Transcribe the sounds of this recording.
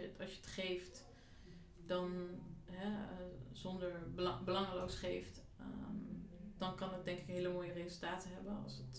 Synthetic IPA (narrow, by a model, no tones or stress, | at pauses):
tɑlsjəətχejft | dɑnɦɛəzɔndəɹbbəlɑŋlowsχejft | əmdɑnkɑndɑt̚dɛŋkɪkɦeːləmoːjərezəlˠtaːtəɦɛbənɑ̰lˠsət